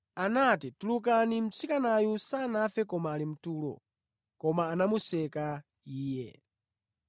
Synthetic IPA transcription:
anatituluk̬anim̩t͡sʰikanajusaːnafɛkɔmaːlim̩tuːlɔ̰ | kɔmaːnamusɛka | iːjɛ̰

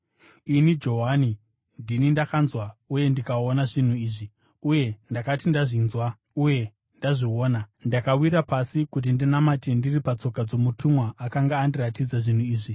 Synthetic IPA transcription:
inid͡ʒo̞ɦani | ndinindakanzwauje̞ndikao̞naʐin̤uiːʐi | uje̞ndakatindaʐinzwa | uje̞ | ndaʐio̞ːnandakawiɾapasikut̬indinamate̞ndiripat͡so̞kad͡zo̞mutʰumwaʔakaŋɡaːndiratid͡zaʐin̤uiːʐi

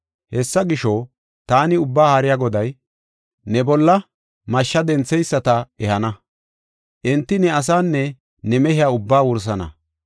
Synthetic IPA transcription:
hɛsːɐɡɪʃɔ | t̪aːnɪʊbːaːhaɾɪjaɡɔd̪ɐj | nɛbɔlːɐ | mɐʃːɐd̪ɛnt͡sːɛjsːɐt̪ɐɛhɐnɐ | ʔɪnt̪ːɪnɛɐs̬aːnːɛ | nɛmɛhɪjaːʊbːaːwʊɾs̬ɐnɐ̰

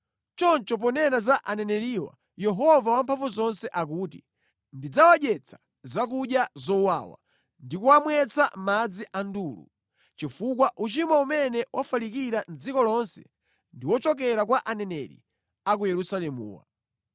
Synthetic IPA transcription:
t͡ʃɔnt͡ʃɔp̬ɔnɛnazaʔanɛnɛɾiwa̰ | jɛɦɔvawampʰaɱvuzɔnsɛʔak̬uːtḭ | ndid͡zawaɗɛt͡sʰḁ | zak̬uɗjazɔwawa̰ | ndikuwamwɛt͡samad͡ziʔanduːlṵ | t͡ʃifuk̬waʔut͡ʃimwaumɛnɛwʔafalikiɾand͡zikɔlɔnsɛ̥̰ | ndiwɔt͡ʃɔk̬ɛɾak̬waʔanɛnɛɾḭ | ak̬ujɛɾusalɛmṵːwa̰

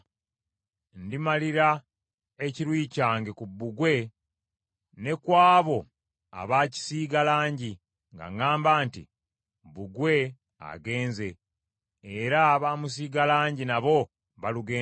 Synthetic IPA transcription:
ndimaliɾa | eciɾwiːcaːŋɡe̞kubːuɡwe̞ | ne̞kwaːβo̞ | a̰βaːci̥siːɡalaːɲɟi | ŋɡa̰ŋaːmbaːntḭ | buɡwe̞ | a̰ɡe̞ːnze̞ː | ɾaβaːmus̬iːɡalaːɲɟinaβo̞ | βaluɡeː

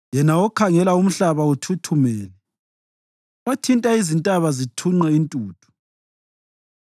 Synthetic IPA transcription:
jɛnaɔkʰaŋɛlaum̩ɬaβautʰutʰumɛːnɛ | watʰintʼaizintʼaβazitʰuŋ͡ǃɛintʼuːtʰu̥

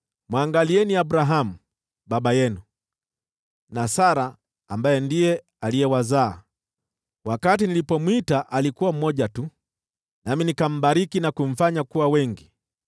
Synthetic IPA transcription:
mwaŋɡaliɛniaɓɾaɦamu | ɓaɓajɛnu | nasaɾaː | mbajɛndijɛ | alijɛwazaː | wakatinilipɔmwitaʔalikuwam̩mɔʄatu | naminikam̩ɓaɾikinakum̩faɲakuwawɛŋɡi

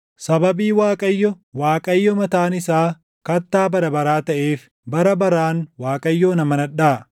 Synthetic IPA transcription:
sɐbɐbiːwaːkʼɐjːɔ | waːkʼɐjːɔmɐt̪aːnɪsaː | kɐt̪ːaːbɐɾɐbɐɾaːt̪ɐʔeːf | bɐɾɐbɐɾaːnwaːkʼɐjːoːnɐmɐnɐᶑaː

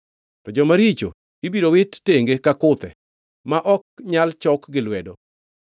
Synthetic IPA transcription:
tɔd͡ʒɔmaɾit͡ʃo̰ | ibiɾowɪtːeŋɡekakʊt̪ɛ̰ | maʔɔk̚ɲalt͡ʃɔkɡɪlwɛdɔ

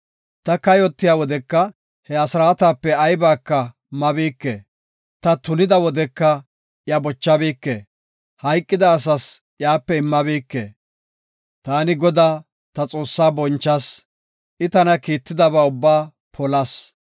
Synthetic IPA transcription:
t̪ɐkɐjɔt̪ːɪjaːwɔd̪ɛkːɐ | hɛɐsɾaːt̪aːpːɛɐjbaːkːɐ | mɐbiːkːḛ | t̪ɐt̪ʊnɪd̪ɐwɔd̪ɛkːɐ | jɐbɔt͡ʃːɐbiːkːe | hɐjkʼːɪd̪ɐːs̬ɐs | jaːpːɛɪmːɐbiːkːḛː | t̪aːnɪɡɔd̪aː | t̪ɐt͡sʼo̞ːsːaːbɔnt͡ʃːɐs | ʔɪt̪ɐnɐkiːt̪ːɪd̪ɐbaːʊbːaː | pʰɔlɐs

